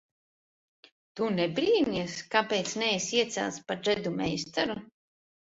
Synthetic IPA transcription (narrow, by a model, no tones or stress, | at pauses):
t̪unɛbɾiːnʲiɛskapejt̪snɛjsiɛt̪sʲɛ̰lˠspaʒɛd̪umɛjst̪aɾu